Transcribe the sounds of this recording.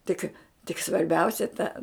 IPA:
ˈtʲɪk tʲɪk sʋɐrʲˈbʲɛʊsʲɛ tɐ

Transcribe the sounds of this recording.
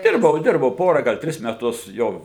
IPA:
ˈdʲɪrbɐʊ ˈdʲɪrbɐʊ ˈpoːrɐ ɡɐlˠ ˈtʲrʲɪs mʲɛˈtʊs ˈjoː

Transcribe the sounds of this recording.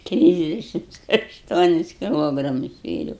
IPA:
ˈtʲrʲɪzʲdʲɛʃʲɪmts ɐʃˈtuɔnʲɪs kʲɪˈlˠoːɡrɐmʊs sʲʋʲeːˈrʲɛʊ

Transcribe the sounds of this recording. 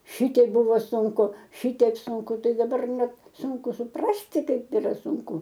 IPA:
ˈʃʲɪtʲiɛk ˈbʊʋoː sʊŋˈkʊ ˈʃʲɪtʲiɛk sʊŋˈkʊ ˈtɐɪ dɐˈbɐr ˈnʲɛt ˈsʊŋkʊ sʊˈprɑːsʲtʲɪ ˈkɐɪp iːˈrɐ sʊŋˈkʊ

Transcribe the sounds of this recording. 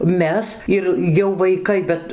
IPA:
ˈmʲɛs ɪr jɛʊ ʋɐɪˈkɐɪ ˈbʲɛt

